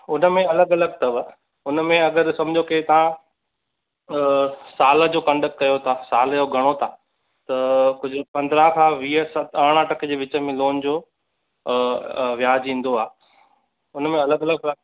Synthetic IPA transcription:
ʊnə̆mẽɐləɡɐləɡ̚t̪ɐʋə | ʊnmẽɐɡəɾsɐ̃m̤d͡ʑʱoket̪ɐʋ̤ã | saːld͡ʑoːkɐ̃ɳɖək̚ʈkɐjot̪ʰasaːld͡ʑoːɡʱɐɽ̃ot̪ʰaː | t̪ɐkʊd͡ʑʱʊpɐ̃nd̪ɾakʰãːʋiːəsɐt̪ɐɽ̃ãʈɐked͡ʑeːʋɪt͡ɕə̆mẽloːnd͡ʑoː | ʋjaːd͡ʑĩːn̆d̪oaː | ʊnmẽɐləɡɐləɡ̚pɐ

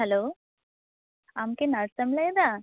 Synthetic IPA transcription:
ɦɛlo | amkenaɾsəmləjd̪a

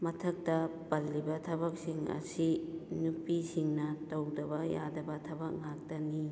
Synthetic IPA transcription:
mɐtʰɐk̚tɐpɐlːibɐtʰɐbɐk̚siŋɐ̰sinupisiŋnɐtɐwdɐbɐja̰dɐbɐtʰɐbɐk̚ŋak̚tɐni

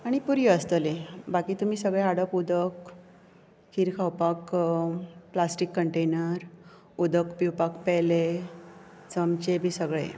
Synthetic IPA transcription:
aɽ̃ipuɾjəəst̪əlebakiːt̪um̤iːsəɡɭeaɽəpud̪ək | kʰiːɾkʰawpak | plasʈikːəɳʈenəɾ | ud̪əkpiwpakpɛle | t͡səmt͡ɕebʱiːsəɡɭḛ

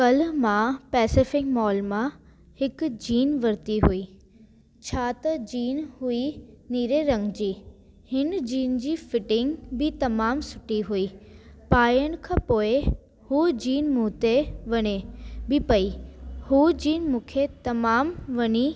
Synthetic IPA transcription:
kɐl̤mãpɛːsɪfɪkmɔːlmã | hɪkd͡ʑiːnʋɐɾt̪iɦuiː | t͡ɕʰaːt̪ɐd͡ʑiːnɦuiniːɾeɾɐ̃ŋɡd͡ʑiː | hɪnd͡ʑiːnd͡ʑiːfɪʈɪ̃ŋɡbɪt̪ɐmaːmsʊʈiɦuiːpaːjəɽ̃̆kʰãːpoːɪ | hud͡ʑiːnmũːt̪eʋɐɲebɪpɐihuːd͡ʑiːnmũːkʰet̪ɐmaːmʋɐɲi

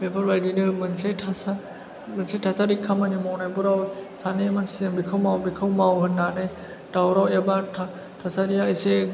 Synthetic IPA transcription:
bepʰaɾwajdinɯmɯnsetʰasa | mɯnsetʰasaɾikʰːamanimɔwnajbɔɾawsanemansizebikʰɯwmawbikʰɯwmawhɯnːane | dawɾawebatʰa | tʰasaɾijaːjse

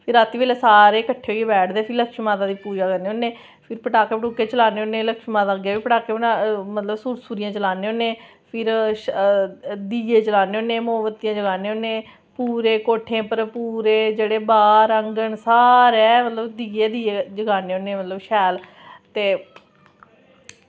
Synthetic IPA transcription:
pʰɪɾaːt̪ːiːʋeːlesaːɾeːkəʈʰːeːoːieːbɛːʈʰd̪eːpʰɪləkʃimaːt̪aːd̪iːpuːd͡ʒaːkəɾneːoːneː | pʰɪɾpəʈaːkeːpəʈuːkːeːt͡ʃəlaːneːoːneːləkʃmaːt̪aːɡjaːiːpəʈaːkeːnamət̪ləbsuːɾsuːɾijãːt͡ʃəlaːneːoːneː | pʰɪɾ | d̪iːeːt͡ʃəlaːneːoːneːmoːʋət̪ijãːd͡ʒəɡaːneːoːneː | puːɾeːkoːʈʰẽːpəɾpuːɾeːd͡ʒeːɽeːbaːɾəŋɡəɳsaːɾɛːmət̪ləbd̪iːeːd̪iːed͡ʒəɡaːneːoːneːmət̪ləbʃɛːl | t̪eː

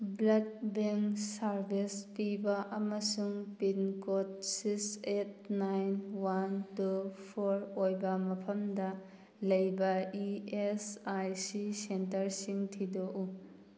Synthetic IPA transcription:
blɐd̚beŋksaɾbʱispibɐʔɐmɐsuŋpinkot̚sikset̚najnwantupʰoɾojbɐmɐpʰɐmdɐ | lɐjbɐiesajsisentɐɾsiŋtʰidoʔu

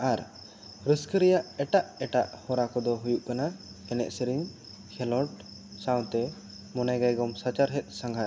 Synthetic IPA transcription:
aɾ | ɾəskəɾɛjaʔɛʈaʔɛʈaʔhɔɾakɔd̪ɔɦujuʔkana | ɛnɛ̰ʔ̪səɾiŋ | kʰɛlɔʈ | saw̃t̪ɛ | mɔnaɡajɡɔmsat͡ʃaɾɦɛt̪̚ˀsaŋɡʱa

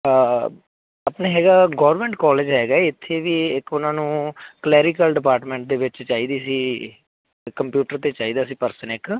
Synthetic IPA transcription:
əpneːɦɛːɡaːɡɔːʋəɾmẽːɳʈkɔːleːd͡ʒɦɛːɡaːɪt̪ʰːeːʋiːɪkʊnãːnũːklɛːɾɪkəlɖɪpaːɾʈmẽːɳʈ̚d̪eːʋɪt͡ʃt͡ʃaːiːd̪iːsiː | kəmpjuːʈəɾt̪eːt͡ʃaːiːd̪aːsiːpəɾsənɪk

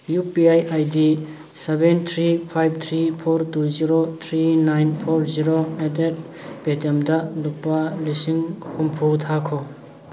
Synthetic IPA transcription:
jupiajajdi | sebent̪ʰɾipʰajb̚t̪ʰɾipʰoɾtuziɾot̪ʰɾinajnpʰɔɾziɾoɛdet̚ | b̥etemdalupːalisiŋhumpʰutʰakʰɔ

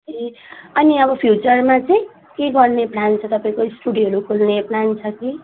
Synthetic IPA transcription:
eʌniʌbʌpʰjut͡sʌrmat͡sʌĩ | keɡʌrneplant͡sʰʌt̪ʌpaĩkoisʈuɽiɦʌɾukʰulneplant͡sʰʌki

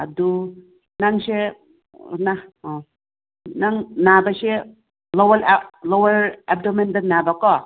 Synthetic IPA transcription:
ad̪u | naŋse | na | naŋnabase | lɔwallowaɾep̚domendanabakɔ

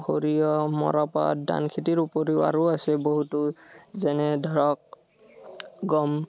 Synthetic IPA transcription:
hoɹijɔmɔ̰ɹɔpa̰da̰nkʰitiɹupɔɹeʊa̰ɹuasɛboɦutuzɛnɛdʱɔɹɔk̚ | ɡɔm

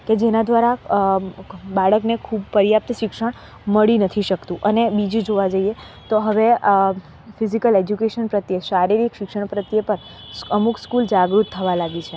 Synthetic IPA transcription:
ked͡ʒenad̪ʋaɾa | baɭəknekʰubpəɾjap̚t̪əʃɪkʃəɽ̃ | məɭinət̪ʰiʃəkt̪ũʔənebid͡ʒũd͡ʒoʋad͡ʒəie | t̪oɦəʋe | fizikəled͡ʒukeʃənpɾət̪jeʃaɾiɾikʃɪkʂəɽ̃pɾət̪jepəɾ | əmukskuld͡ʒaɡɾut̪ʰːəʋalaɡit͡ʃʰe

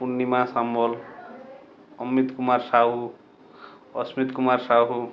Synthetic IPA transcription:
punːimasambʌl | ʌmːit̪kumarsaɦu | ʌsmit̪kumarsaɦu

